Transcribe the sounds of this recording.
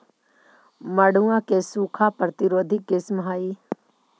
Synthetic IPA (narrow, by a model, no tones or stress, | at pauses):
məɽuãkesuːkʰapɾət̪ɪɾoːd̪ʱɪkɪsmɦaːiː